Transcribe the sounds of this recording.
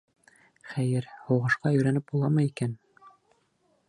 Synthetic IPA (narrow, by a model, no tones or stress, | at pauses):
χæjɘɾhowʁɤ̆ʃqɑjɵ̆jɾænɘp̚bulˠɑmɤikæn